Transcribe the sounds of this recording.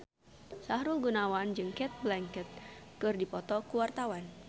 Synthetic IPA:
saɦɾulɡunawand͡ʒɨŋkɛt̪̚blɛŋkɛt̪̚kɨrdipɔt̪ɔkuwart̪awan

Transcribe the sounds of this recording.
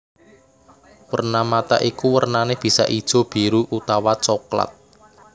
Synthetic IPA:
wərnamat̪a̰ʔikuwərnaneb̥i̤sa̰ʔid̥ʒ̥o̤b̥i̤ɾuʔut̪awat͡ʃɔkla̰t̪̚

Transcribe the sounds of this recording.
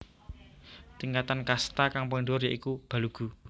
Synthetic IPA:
t̪iŋkat̪ankast̪akaŋpɔɳduɾjaʔikub̥a̤luɡ̥ṳ

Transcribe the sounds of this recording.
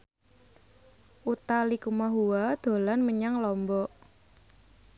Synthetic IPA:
ʔut̪alikumaɦuwad̪̥o̤lanməɲaŋlɔmbɔ

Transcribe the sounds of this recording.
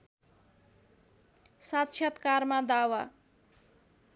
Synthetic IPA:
sat̪t͡ʃʰjʌt̪karmad̪awa

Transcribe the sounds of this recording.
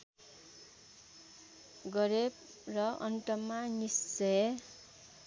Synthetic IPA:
ɡʌɾeb | rʌʌnʈʌmanist͡se

